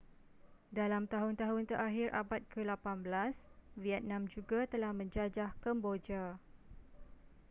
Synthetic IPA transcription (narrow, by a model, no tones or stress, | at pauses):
dalamt̪aɦʊnt̪aɦʊnt̪əɾʔaɦirʔa̰bat̪̚kʰəlapanbəlasviɛt̪̚nãmd͡ʒuɡat̪əlahmə̃ɲd͡ʒad͡ʒahkəmbod͡ʒa